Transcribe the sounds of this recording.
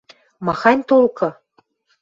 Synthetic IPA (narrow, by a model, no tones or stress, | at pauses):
mɑxɑnʲt̪olkɤ̆